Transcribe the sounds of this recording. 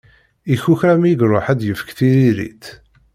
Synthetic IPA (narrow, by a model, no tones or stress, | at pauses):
içuçɾæmiɡɾoħæd̪jəfə̥kθiɾiɾḭt̪